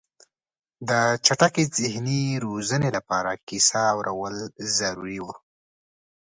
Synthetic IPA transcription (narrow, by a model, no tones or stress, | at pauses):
d̪ət͡ʃaʈakezɪhniɾozənelapɑɾakisaːwɾʔawəlzaɾuɾiwa